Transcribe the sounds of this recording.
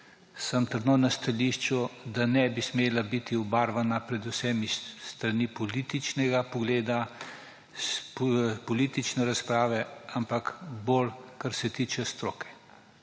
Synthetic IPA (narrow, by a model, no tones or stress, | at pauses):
sɐmt̪əɾd̪nonast̪aliːʃt͡ʃud̪anɛbismeːlabit̪iubaːɾʋanapɾɛd̪usɛmist̪ɾanipɔliːt̪it͡ʃnɛɡapɔɡleːd̪a | pɔliːt̪it͡ʃnɛɾaspɾaːʋɛampakbolkaɾsɛt̪iːt͡ʃɛst̪ɾoːkɛ̥